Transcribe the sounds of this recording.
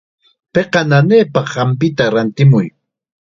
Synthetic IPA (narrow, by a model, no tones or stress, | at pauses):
peqɑnaneːpɑχːɑmpɪt̪aɾant̪ɪmʊj